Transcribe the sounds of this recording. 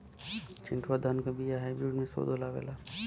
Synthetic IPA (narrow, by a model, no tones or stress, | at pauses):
t͡ʃɪ̰̃ɳʈʋad̪ʱankabʱijaɦajbɾuːɖmẽso̰d̪oːlaʋḛːla